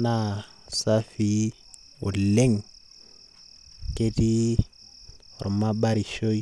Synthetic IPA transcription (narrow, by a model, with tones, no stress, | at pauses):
na˦˨ | sa˦fi˦ | ʊ̰˨l̩˨le˦ŋ̩˨ | kʼe˦di˦ | ʊɾɪ˨ma˦ba˦ɾi˨ʃo˦i˦